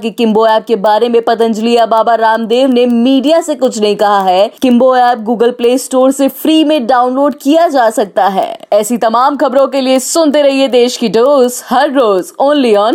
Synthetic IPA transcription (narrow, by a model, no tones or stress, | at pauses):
kikɪ̃mboɛːb̚kebaːɾemẽpɐt̪̬ə̃nd͡ʒlijabaːbaɾaːmd̪eːʋnemiːɖijasekʊt͡ʃʰnɐɦĩkɐɦaɦɛːkɪ̃mboɛːp̚ɡuːɡəlpleːsʈoːɾsefɾiːmẽɖaːʊnloːɖkijad͡ʒaːsɐk̚t̪aɦɛ̰ːɛːsit̪ɐmaːmxɐbɾõkeliesʊnt̪eɾɐɦied̪eːʃkiɖoːzhɐɾːoːzoːnliɔːn